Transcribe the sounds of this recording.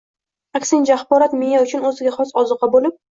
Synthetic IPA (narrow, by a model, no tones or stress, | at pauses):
akʲsɪŋd͡ʒaχbɒɾat̪mejaʊt͡ʃʰʊnɵzɪɡʲaχɒsɒzɨqɑbolɪp̚